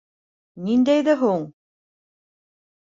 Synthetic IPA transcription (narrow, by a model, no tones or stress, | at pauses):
nind̪æjðæɦuɴ